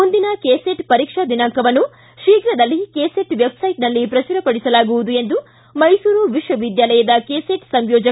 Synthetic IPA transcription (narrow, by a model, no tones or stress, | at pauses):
mund̪inɐkeːseʈpɐɾiːkʂaːd̪inaːŋkɐʋɐnːu | ʃiːɡɾɐd̪ɐlːikeːseʈʋebsɐjʈnɐlːipɾɐt͡ʃɐɾɐpɐɽisɐlaːɡuʋud̪ue̞nd̪u | mɐjsuːɾuʋiʂʋɐʋid̪jaːlɐjɐd̪ɐkeːseʈsɐmjɔːd͡ʒɐ